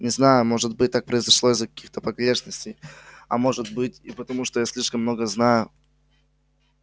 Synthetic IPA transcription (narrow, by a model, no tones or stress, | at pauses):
nʲɪznajʊmo̞ʐɨt̪bɨt̚ʲt̪ːak̚pɾəɪzɐʂlˠo̞ɪzːəkɐ̥kʲixt̪əpɐɡɾʲeʂnəsʲtʲejɐ̰mo̞ʐɨt̪̚bɨtʲipət̪ɐmuʂt̪ojasʲlʲiʂkəmːno̞ɡəznajʊ